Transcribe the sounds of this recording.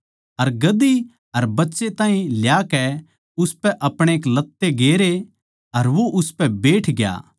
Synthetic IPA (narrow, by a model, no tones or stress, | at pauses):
ɐɾɡɐd̪i | ɐɾbɐtːʃet̪aːɦĩljakɛ | ʊspɛʔɐpɽ̃ẽeːk̬lɐt̪ːeɡeːɾe | ɐɾʋoʔʊspɛbeːʈʰɡja̰ː